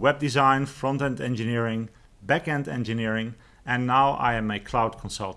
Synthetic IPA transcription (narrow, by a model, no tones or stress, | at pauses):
wɛb̚dizãɪ̃nfɹɔ̃ntɛ̃ntɛ̰̃nd͡ʒɨnɪɹɪ̃ŋ | bækɛ̃ndɛ̰̃nd͡ʒɨnɪɹɪ̃ŋ | ɛ̃nːaʊʔa̰ɪɨ̃mɨkʰl̥aʊd̚kʰɔ̃nsʌ̰lˠt